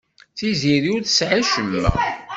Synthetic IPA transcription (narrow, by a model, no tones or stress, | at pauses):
θiziɾiuɾθəsʕaʃəlːæ̰